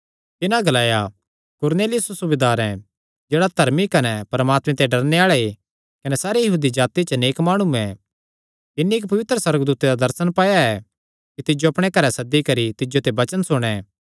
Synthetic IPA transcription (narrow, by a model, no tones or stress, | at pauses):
t̪ɪnãɡɐlaːja | kʊɾneːlɪjʊssʊbed̪aːɾɛ̰̃ | d͡ʒeːɽad̪ʱɐɾmikɐnɛpɐɾmaːt̪mɛ̃t̪ɛɖɐɾneaːɭɛe | kɐnɛsaːɾijɐɦuːd̪id͡ʒaːt̪it͡ʃɐneːkmaːɽ̃uɛ | t̪ɪnːiɪkpɐʋɪt̪ɾəsɐɾəɡd̪uːt̪ed̪ad̪ɐɾsənpaːjaɛ | kit̪ɪd͡ʒoɐpɽ̃ekɐɾɛsɐd̪ːikɐɾit̪ɪd͡ʒot̪ebɐt͡ʃənsʊɽ̃ɛ